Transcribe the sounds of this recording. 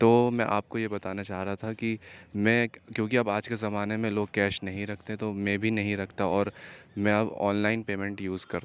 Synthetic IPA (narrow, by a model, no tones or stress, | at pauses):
t̪oːmɛ̃ʔaːp̚kojebɐt̪aːnat͡ʃaːɦɾaɦat̪ʰakimɛ̃ːkjõːkiɐbaːd͡ʒkezɐmaːnemẽloːɡ̚kɛːʃnɐɦĩɾɐkʰt̪eɦɛ̃t̪omẽbʱinɐɦĩɾɐkʰt̪aɔːɾmɛ̃ɐbɔ̰ːnlaːɪnpeːmɛ̃ɳʈjuːzkɐɾ